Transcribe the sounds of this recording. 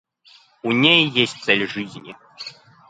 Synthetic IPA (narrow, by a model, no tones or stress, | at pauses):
unʲejjesʲt̚ʲt̪sɛlʲʐɨzʲnʲi